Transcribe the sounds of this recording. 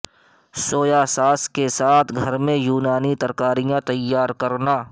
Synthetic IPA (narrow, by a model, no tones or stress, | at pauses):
soːjaːsaːskesaːt̪ʰɡʱɐɾmẽjuːnaːnit̪ɐɾkaːɾijãt̪ɐjːaːɾkɐɾnaː